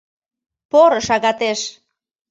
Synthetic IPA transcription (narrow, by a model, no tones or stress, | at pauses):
poɾəʃaɣat̪eʃ